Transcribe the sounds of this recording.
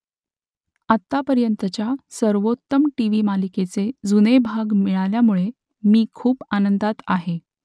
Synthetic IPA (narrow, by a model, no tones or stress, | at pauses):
at̪ːapəɾjənt̪ət͡ɕjasəɾʋot̪ːəmʈiʋimaliket͡sed͡zunebʱaɡmiɭaljamuɭe | miːkʰuːpanənd̪at̪aɦe